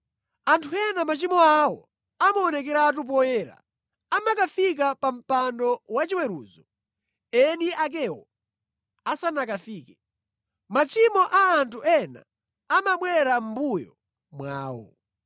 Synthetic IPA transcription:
antʰuɛnamat͡ʃimɔawɔ̰ | amaɔnɛkɛɾat̬up̬ɔjɛːɾa̰ | amakafik̬apam̩pandɔwat͡ʃiwɛɾṵːzɔ | ɛniʔak̬ɛwɔ | asanakafiːkɛ | mat͡ʃimɔʔaːntʰuɛna̰ː | maɓwɛɾam̩bujɔ | mwa̰ːwɔ̰

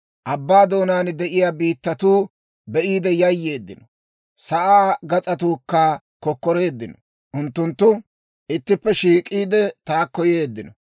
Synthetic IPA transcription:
ʔɐbːaːd̪o̞ːnaːnd̪ɛʔɪjaːbiːt̪ːɐt̪uː | bɛʔiːd̪ɛjɐjːe̞ːd̪ːɪnɔ | sɐʔaːɡɐt͡sʼɐt̪uːkːa | kɔkːɔɾe̞ːd̪ːɪnɔ | ʔʊnt̪ːʊnt̪ːʊ | ʔɪt̪ːɪpːɛʃiːkʼiːd̪ɛt̪aːkːɔje̞ːd̪ːɪnɔ

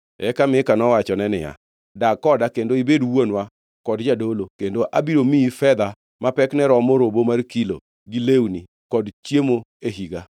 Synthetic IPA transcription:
ɛkamɪkanɔwat͡ʃɔnɛnɪ̰ja̰ | dakɔdakendoibedwonwa | kɔdd͡ʒadolokendoʔa̰biɾomiifɛd̪a | mapɛknɛɾɔmoɾobomarkilo̰ | ɡilewni | kɔdt͡ʃjemoeɦiɡa

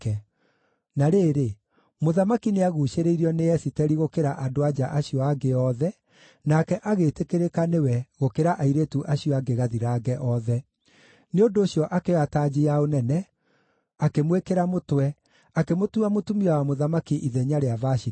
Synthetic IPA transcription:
kɛ | naɾeːɾe | moðamakineaɣuʃeɾeiɾiɔnejɛsitɛɾiɣokeɾaʔadoad͡ʑaʔaɕiɔaɡeɔðɛ | nakɛʔaɣeːtekeɾekanewɛɣokeɾaʔaiɾetuʔaɕiɔaɡeɣaðiɾaːɡɛʔɔðɛ | neondoːɕjɔʔakeataːd͡ʑeaonɛnɛ | akemwekeɾamotwɛ | akemotuamotumiawamoðamakiʔiðɛɲaɾeavaʃi

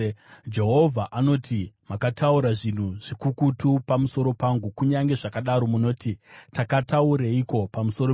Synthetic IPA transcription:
d͡ʒe̞ɦo̞vʱaʔano̞tʰimakatʰauɾaʐin̤uʐ̥ikukutupamuso̞ɾo̞paŋɡukuɲaŋɡe̞ʐakaɗaɾo̞muno̞ːtitakatauɾeiko̞pamuso̞ɾo

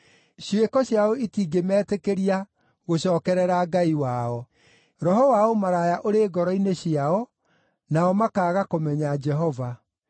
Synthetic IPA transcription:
ɕiwekɔɕjaoitiːɡemɛːtekeɾia | ɣoɕɔːkɛɾɛɾaɡaiwaɔ | ɾɔɦɔwaomaɾajaʔoɾeɡɔɾɔineɕiaɔ | naɔmakaːɣakomɛɲad͡ʒɛɦɔva

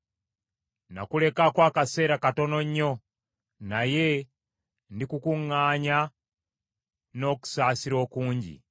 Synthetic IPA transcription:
na̰kule̞kakwaːkase̞ːɾakato̞no̞ɲːo̞ | naje̞ | ndikukuŋːaːɲa | no̞ku̥saːsiɾo̞ːkuːɲɟḭ

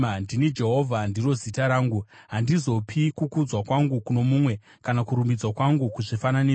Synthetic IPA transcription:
ndinid͡ʒe̞ɦo̞vʱandiro̞zitaɾaːŋɡuɦandizo̞pʰikukud͡zwakwaŋɡukuno̞mumwe̞ | kanakuɾumid͡zwakwaŋɡukuʐifanane

